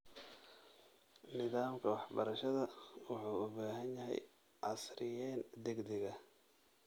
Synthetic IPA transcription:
nɪðaːmkʰɐwɑħbɐɾɐʃɐðɐwʊħuːʊbaːɦɐnjɐɦɛ̰j | ʕɑsrɪjɛːnd̪ɛɡd̪ɛɣɐ

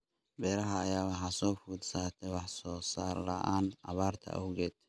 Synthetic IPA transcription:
bɛːɾɐɦɐːjaːwɑħɑsɔːfuːd̪saːt̪ʰɛwɑħsɔːsaːrlɐ̰ʔaːnʔɑβaːrt̪ʰɐ̰ʔɔwɣɛːd̪̥

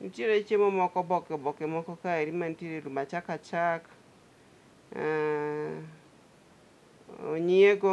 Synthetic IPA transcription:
ṵt͡ʃeɾet͡ʃemɔmɔkɔbɔkɔbɔkemɔkɔkaeɾimanteɾeɾumat͡ʃakat͡ʃak | o̰ɲieɡo

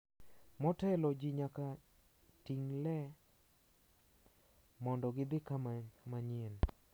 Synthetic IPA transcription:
mɔtɛlɔd͡ʒiɲaka | tiŋlɛ | mɔndɔɡɪd̪ɪkamamaɲen

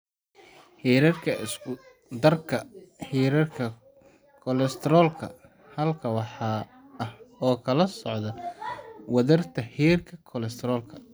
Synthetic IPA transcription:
ħiːɾɐrkʰɐɪsʊ | d̪ɐrkʰɐħiːɾɐrkʰɐ | kʰɔlɛst̪ʰɛɾɔːlkʰɐ̰ | hɐlkʰɐwɑħɑː | ɐhɔːkʰɐlɐsɔʕd̪ɐ | wɐðɐrt̪ʰɐħiːrkʰɐkʰɔlɛst̪ʰɾɔːlkʰɐ

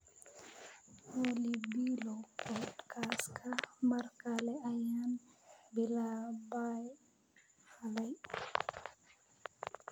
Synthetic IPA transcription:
olibilɔpʰɔdkʰaskʰamaɾkalɛajanbilabaj | halaj

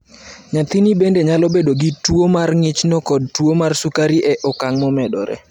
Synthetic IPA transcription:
ɲat̪inibendeɲalɔbedoɡɪtwomarŋɪt͡ʃnɔkɔd̚twomarsukaɾiʔɛʔɔkaŋmɔmɛdɔ̰ɾɛ̰

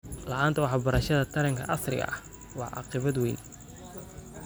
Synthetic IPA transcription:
lɐʔaːnt̪ʰɐwɑħɑbɐɾɐʃɐðɐt̪ʰɐɾɐŋkʰɐ̰ʔɐsrɪ̰ɣɐ̰ʔɐ̰ | wɑʕʔɑ̰qɪβɐd̪wɛjn

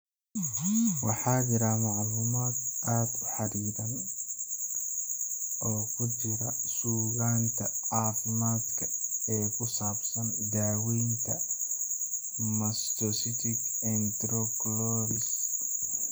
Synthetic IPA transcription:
wɑħɑːd͡ʒɪɾaːmɑʕluːmaːd̪ʔaːd̪ʊħɑɾiːðɐn | ɔːkʰʊt͡ʃɪɾɐsuːɣaːnt̪ʰɐʕɑːfɪmaːd̪kʰɐɛːkʰʊsaːbsɐnd̪aːwɛjnt̪ʰɐ | mɐst̪ɔsɪt̪ʰɪkɛnt̪ɾɔklɔɾɪs

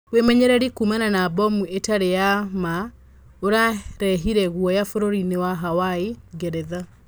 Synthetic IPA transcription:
wemɛɲɛɾɛɾikumananabɔmuetaɾejama | oɾaɾɛɦiɾɛɣwɔjafoɾoɾinewaɦawaeɡɛɾɛða

